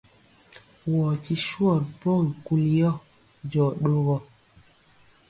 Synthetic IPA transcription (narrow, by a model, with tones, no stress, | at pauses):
wɔ˨ti˦ʃwɔ˦˨ɾpɔ˦˨i˨ku˦ljɔ˦ | d͡ʒɔ˨ɗo˦ɣɔ˦